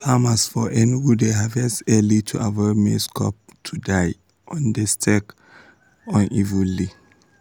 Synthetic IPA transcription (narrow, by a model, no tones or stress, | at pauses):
famasfɔʔɛnɡudeɦavɛsɛlitʰuʔavɔmḛskʰɔp̚tʰudaɪ | ɔ̃ndɛstʰɛk | ɔ̃nʔivuli